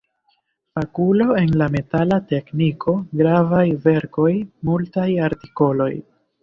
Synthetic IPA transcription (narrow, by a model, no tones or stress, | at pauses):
fakulo̞e̞nlame̞talate̞knikʰo̞ɡɾavajve̞ɾko̞jmultajaɾti̥ko̞lo̞j